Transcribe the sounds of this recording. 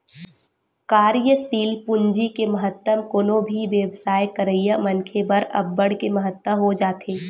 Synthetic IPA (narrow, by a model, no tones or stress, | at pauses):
kaːɾjəsiːlpʊ̃ɲd͡ʒikeməɦət̪ːəmkoːnõbʱiʋeːbsaːjkəɾəjəmɐnkʰebɐɾɐ̰bːəɽkemɐɦət̪ːəɦod͡ʒaːt̪ʰeː